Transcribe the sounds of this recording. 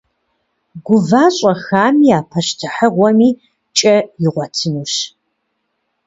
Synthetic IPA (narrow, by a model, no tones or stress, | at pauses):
ɡʷʊvaːɕʼɐxaːmiaːpʰɐɕtʰɨħəʁʷɔmiː | t͡ʃʼɐjɪʁʷɔtʰɨnuːɕ